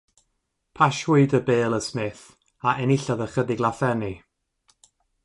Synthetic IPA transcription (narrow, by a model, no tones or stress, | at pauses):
pʰaʃwʊɨdəbeːlˠəsmɪθ | aʔɛnɪɬaðəχədɪɡlˠaθɛni